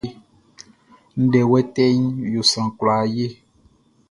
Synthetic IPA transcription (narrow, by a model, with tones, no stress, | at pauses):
n̩˦dɛ˨wɛ˦tɛ˦ɲjo˨sã˨kla˨je˦